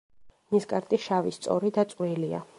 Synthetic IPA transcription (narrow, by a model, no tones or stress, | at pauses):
niskʼaɾt̪ʼiʃavist̪sʼɔ̰ɾid̪at̪sʼqʼwilia̰